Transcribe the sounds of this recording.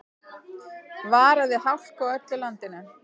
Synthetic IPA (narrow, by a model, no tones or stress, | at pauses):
vaːɾaðɪɦawl̥kawœt̪lʏlant̪ɪnʏ